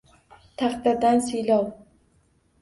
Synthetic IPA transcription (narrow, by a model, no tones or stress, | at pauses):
t̪ʰaχd̪ad̪ansilaw